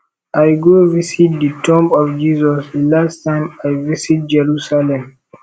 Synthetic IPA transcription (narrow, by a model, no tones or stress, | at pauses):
ʔajɡovisit̚ditʰɔ̃mpɔfd͡ʒizɔsdlastãɪ̃majvisit̚d͡ʒɛɹusalɛ̃m